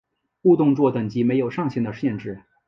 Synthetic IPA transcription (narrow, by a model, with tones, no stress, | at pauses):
u˥˧t̪ʊ˥˧ŋt͡swɔ˥˩t̪ə˨˩ŋt͡ɕi˧˥me˧˥ɪjo˨˩ʊʂɑ˥˧ŋɕi˥˩ŋd̪ə˧ɕjɛ˥˧nʈ͡ʂɻ̩˥˩